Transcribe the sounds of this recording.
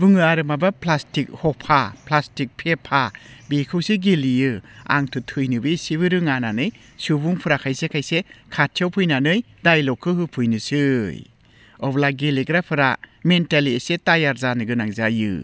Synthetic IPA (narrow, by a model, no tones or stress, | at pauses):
bɯŋɯaɾɯmabaplastik̚hɔpʰaplastik̚pʰepʰabikʰɯwseɡilijɯa̰ŋtʰɯtʰɯjnɯbisiβɯɾɯŋananɯj | subuŋpʰɯɾakʰajsekʰajsekʰatʰjawpʰɯjnanɯj | dajlɔkʰːɯhɯpʰɯjnɯsɯj | ɔblaɡeliɡɾapʰɯɾamentaliesetajaɾzanɯɡɯnaŋzajɯ̰